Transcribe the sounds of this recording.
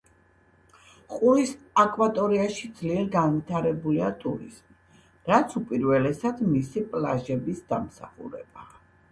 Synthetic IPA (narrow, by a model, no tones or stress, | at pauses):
qʼulis | akʼwat̪ʼɔɾiaʃid̪zliɛɾɡanvit̪ʰaɾɛbuliat̪ʼuɾḭsmi | ɾat̪sʰupʼiɾvɛlɛsad̪misipʼlaʒɛbisd̪amsa̰χṵɾɛ̰ba